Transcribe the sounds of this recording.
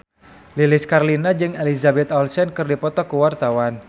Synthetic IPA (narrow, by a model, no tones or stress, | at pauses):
lilɪskarlinad͡ʒɨŋelizabɛt̪ɔlsɛnkɨrdipɔt̪ɔkuwart̪awan